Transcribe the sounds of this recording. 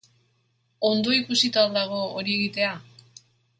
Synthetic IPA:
o̞nd̪o̞ikusit̪ald̪aɣo̞oɾie̞ɣit̪e̞a

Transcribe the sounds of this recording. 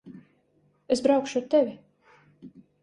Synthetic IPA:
esbɾawkʃut̪ɛvʲi

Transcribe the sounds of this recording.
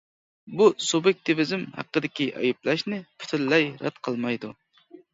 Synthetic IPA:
busubjɛk̚ʲt̪ʰɪvɪzɪmhæ̰qːəd̪ɪkʲiʔɑ̰juplˠɑʃnɪpʰy̥t̪ʰɪɾlɛjɾɛ̰t̪qʰəlˠmɑjd̪u

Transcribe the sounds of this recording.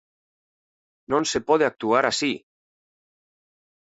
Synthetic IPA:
nõnsepɔðeak̚t̪uaɾasi

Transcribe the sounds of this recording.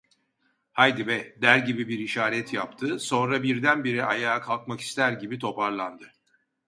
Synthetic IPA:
hajd̪ibɛd̪æɾɟibibiɾiʃaːɾɛt̪ʰjap̚t̪ʰɯso̞nɾabiɾd̪ænbiɾiajaːkʰalˠkmaki̥st̪ʰæɾɟibit̪ʰo̞paɾlˠand̪ɯ

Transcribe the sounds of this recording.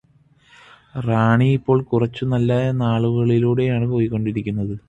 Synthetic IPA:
raːɳiipːo̞ːɭkurɐt͡ɕːunɐlːɐnaːɭuɣɐɭiluːɽe̞jaːɳɨpo̞ːjikːo̞ɳɖiɾikʲːunːɐðɨ

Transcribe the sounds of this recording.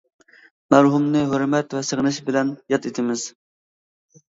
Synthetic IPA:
mæɾɦumnɨɦøɾmɛt̪vɛsəʁnɨʃbɪlɛnjɑt̪ʰet̪ʰɪmɪz̥

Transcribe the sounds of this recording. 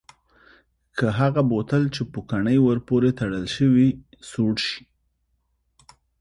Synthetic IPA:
kʰəɦaɣabot̪əlt͡ʃepukaɳəjwəɾpoɾet̪aɽəlʃəwi | soɽʃi̥

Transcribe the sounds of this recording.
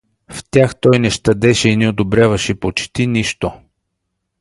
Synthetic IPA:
ft̪ʲjaxt̪ɔjnɛʃt̪ɐd̪ɛʃɛinɛod̪obɾʲjavɐʃɛpot͡ʃt̪iniʃt̪o

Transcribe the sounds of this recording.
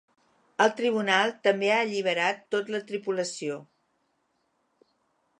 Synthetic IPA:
əlˠt̪ɾiβ̞unalˠt̪əmbeaəʎiβ̞əɾat̪ːot̪lət̪ɾipuləsio

